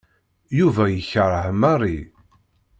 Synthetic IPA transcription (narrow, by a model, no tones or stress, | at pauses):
juvæjəçəɾˤəhmɑrˤi